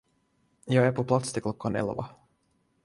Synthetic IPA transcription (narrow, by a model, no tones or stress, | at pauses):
jɑːɡæpʰɔpʰlat̪st̪ɪklɔkːanɛ̰lvɑ̰